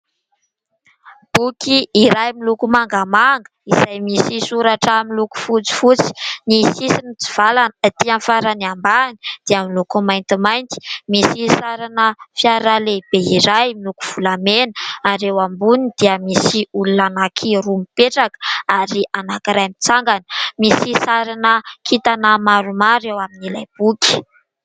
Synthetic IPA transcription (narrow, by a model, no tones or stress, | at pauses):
b̥ukiiɾajmilukumaŋɡamaŋɡə̥iz̥ajmisisuɾaʈ͡ʂamiluku̥fut͡si̥fut͡si̥nisisinit͡si̥v̥alanət̪ianfaɾaniambaŋid̪̥eamilukumajnt̪imajnt̪i̥misisaɾanəfiaɾaleb̥eiɾajmilukuv̥ulamenaɾewambunid̪̥iəmisiulunanakʰiɾumipeʈ͡ʂakə̥aɾiʔanakiɾajamit͡saŋɡani̥misisaɾanəkʰit̪anəmaɾumaɾewaminilajb̥ukʲi̥